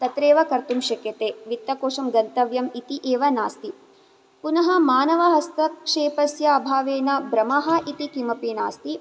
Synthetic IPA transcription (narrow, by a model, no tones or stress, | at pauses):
t̪ɐt̪ɾeːʋɐkɐɾt̪umʃɐkjɐt̪eːʋit̪ːɐkoːʂɐmɡɐnt̪ɐʋjɐmit̪iʔeːʋɐnaːst̪i | punɐɦɐ̆maːnɐʋɐɦɐst̪ɐʂeːpɐsjɐːbʱaːʋeːnɐbɾɐmɐɦɐʔit̪ikimɐpiːna̰ːst̪i